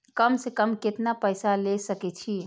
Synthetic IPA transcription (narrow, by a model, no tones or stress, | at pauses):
kəmsekəmket̪napəɪsalesəkɛt͡ʃʰi